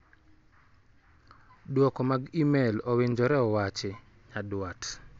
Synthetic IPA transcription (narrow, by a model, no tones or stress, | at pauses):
dwɔkɔmaɡimelɔweɲd͡ʒɔɾɛɔwat͡ʃɪ | ɲadwat